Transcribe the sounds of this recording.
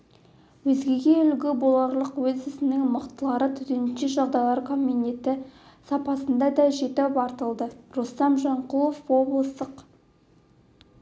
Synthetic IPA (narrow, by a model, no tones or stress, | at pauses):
wɵzɡʲe̞ɡʲe̞ʏlɡʲɪbolˠɑɾlˠəqwɵzɪsɪnɪŋməqt̪əlˠɑɾət̪ʰʏd̪enʃeʒɑʁd̪ɑjlˠɑɾkʰo̞mine̞t̪ɪ | sɑpɑsənd̪ɑd̪ɑʒe̞t̪ɪpɑɾt̪əlˠd̪ərost̪ɑmʒɑɴqulˠofwo̞blˠst̪əq